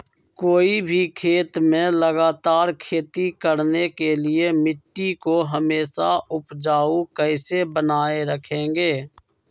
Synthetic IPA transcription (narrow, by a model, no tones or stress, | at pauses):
koːibʱikʰeːt̪mẽləɡaːt̪aːɾkʰeːt̪ikəɾnekelɪemɪʈːikoɦəmeːsaʊpd͡ʒaːukɛɪsebənaːeɾəkʰẽːŋɡeː